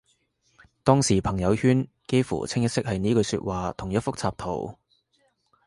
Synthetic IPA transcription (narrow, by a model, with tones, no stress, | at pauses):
t̪ɔː˥ŋsiː˨˩pʰɐ˨˩ŋjɐ˨˧whyː˥n | ke˥jfṵː˨˩t͡sʰɪ˥ŋjɐ˥t̚sɪ˥k̚hɐ˨jniː˥kɵ˧ɥsyː˧t̚waː˨t̪ʰʊ˨˩ŋjɐ˥t̚fʊ˥k̚t͡sʰaː˧p̚t̪ʰo̰˨˩w